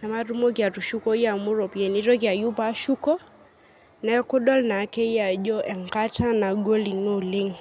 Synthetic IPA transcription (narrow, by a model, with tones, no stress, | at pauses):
na˨ma˦ɾu˦mɔ˦kja˨tu˨ʃu˦kɔ˦i˦ja˨mu˦ɾɔ˨pɛ˨ni˦ɾɔ˦kja˨ju˦pa˦ʃu˦kɔ˦ | nɛ˦kʊ˦ɗɔ˦lna˨˦kɛ˦i˦ja˨d͡ʒɔ˦ʔɛ˨ŋka˦ta˦na˨ɡo˦li˨no˦˨lɪ˦ŋ